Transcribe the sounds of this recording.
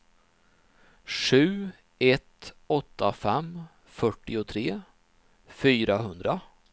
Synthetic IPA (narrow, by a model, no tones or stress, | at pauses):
ʂʉ̟ː | ɛt̪ | ɔt̪ʰːafɛm | fœʈːɪʊt̪ʰɾeː | fyːɾaɦɵnd̪ɾa